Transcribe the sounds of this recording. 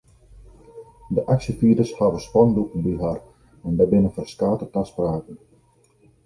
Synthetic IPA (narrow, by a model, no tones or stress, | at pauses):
dəʔaksəfiədəshaʋəspɔndukənbiɦar | ɛndabɪnəfərstaːtətaspraːkən